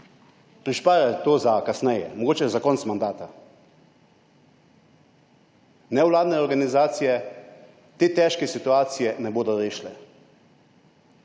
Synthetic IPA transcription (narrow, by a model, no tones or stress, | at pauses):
pɾiʃpaːɾat̪oːzakasnɛjɛ̰mɔɡoːt͡ʃɛzakɔnsmand̪aːt̪a | nɛwlaːd̪nɛɔɾɡanizaːt̪sijɛ | t̪eːt̪ɛʃkɛsit̪uaːt̪sijɛnɛboːd̪ɔɾeːʃlɛ